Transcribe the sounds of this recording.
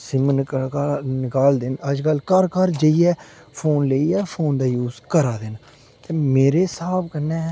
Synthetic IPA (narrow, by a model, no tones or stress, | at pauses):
sɪmn | nɪkaːld̪ɪnəd͡ʒkəlkəɾkəɾd͡ʒəiːɛː | pʰoːnləiːɛːpʰoːnd̪aːjuːzkəɾaːd̪ɪn | t̪eːmeːɾeːsaːbkənːɛː